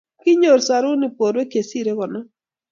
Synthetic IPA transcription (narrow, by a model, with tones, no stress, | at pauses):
kɪ˦ɲo˨ɾsa˨ɾʊ˦nɪ˨po˨ɾwe˦ke˨si˦˨ɾe˦kɔ˨nɔ˦